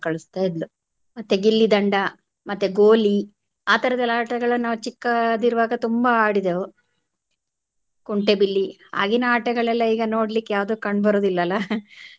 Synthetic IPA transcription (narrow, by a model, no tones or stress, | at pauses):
kɐɭust̪aːjid̪lu | mɐt̪ːeɡilːid̪ɐɳɖɐ | mɐt̪ːeɡoːli | aːt̪ɐɾɛd̪ɐlːaːʈɐɡɐɭɐnaːʋut͡ʃikːɐd̪iɾuʋaːɡɐt̪umbɐaːɽid̪eʋu | kuɳʈebilːia̰ːɡinɐaːʈɐɡɐɭɛlːɐiːɡɐno̞ːɽlikːejaːʋd̪oːkɐɳɖbɐɾoːd̪ilːɐlːɐ